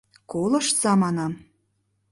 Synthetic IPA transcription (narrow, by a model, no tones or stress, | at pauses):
kolɤ̆ʃsɑmɑnɑm